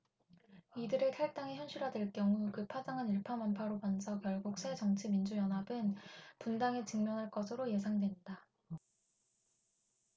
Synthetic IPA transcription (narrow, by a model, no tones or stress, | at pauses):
idɯɾekʰaɭt͈aŋeçjʌnɕʰiɾɦadweɭk͈jʌŋukɯpʰad͡ʑaŋaniɭpʰamanpʰaɾobansʰʌkjʌɭɡuk̚s͈ʰe̞d͡ʑʌŋt͡ɕʰimind͡ʑujʌnɦabɯnpundaŋet͡ɕɯŋmjʌnɦaɭk͈ʌsʰɯɾoje̞sʰaŋdwe̞nda